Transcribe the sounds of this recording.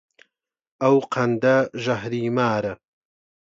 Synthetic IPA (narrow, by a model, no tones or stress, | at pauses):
ɐwqʰɐnd̪ɐʒɐɦɾiːmaːɾɐ